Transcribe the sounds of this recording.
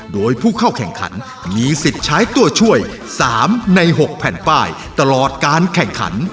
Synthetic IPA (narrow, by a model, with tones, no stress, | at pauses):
doː˧jpʰuː˥˩kʰa˥˩wkʰɛ˨˩ŋkʰa̰˩˦n | miː˧si˨˩t̪̚t͡ɕʰaː˦˥jt̪u˧˩ət͡ɕʰu˥˩əj | saː˩˦mna˧jɦo˨˩k̚pʰɛː˨˩npaː˥˩j | t̪a˧lɔː˨˩t̪̚kaː˧nkʰɛ˨˩ŋkʰa̰˩˦n